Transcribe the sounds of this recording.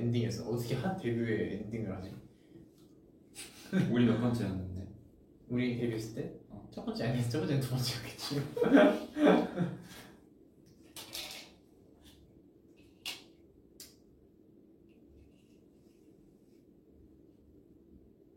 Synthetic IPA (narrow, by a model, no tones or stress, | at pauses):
endiŋesʰʌʌtʰʌkʰehantebjueendiŋɯɾɦad͡ʑi | uɾimakp͈ʌnt͡ɕʰianːɯnde | uɾitebjues͈ɯt͈et͡ɕ͈ʌp͈ʌnt͡ɕʰiaɲiest͡ɕ͈ʌp͈ʌnt͡ɕent͡ɕ͈ʰʌʌt͡ɕ͈ʰiʌk͈e̥t̚t͡ɕ͈io